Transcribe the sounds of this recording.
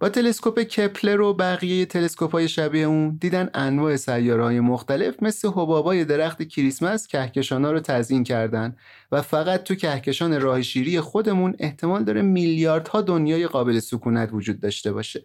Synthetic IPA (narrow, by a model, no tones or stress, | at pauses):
b̥ɒːt̪ʰe̞le̞sko̞pe̞cʰepʰle̞ɾobæɣijeje̞t̪ʰe̞le̞skophɒːje̞ʃæbieund̪iːd̪ænænvɒːʔe̞sæjːɒːɾhɒːje̞moxt̪æle̞fme̞sle̞ɦo̞bɒːbɒːje̞d̪e̞ɾæxt̪ecʰiɾismæscʰæhcʰe̞ʃɒːnɒːɾot̪ʰæzincʰæɾd̪ænd̪ | væfæɣæt̪̚t̪ʰːucʰæhce̞ʃɒːne̞ɾɒːheʃiːɾije̞xo̞d̪e̞mune̞ht̪ʰe̞mɒːld̪ɒːɾemiljɒːɾd̪̥hɒːd̪o̞njɒːje̞ɣɒːbe̞le̞sukʰuːnæt̪ʰvod͡ʒuːd̪̚ːɒːʃt̪e̞bɒ̰ːʃe̞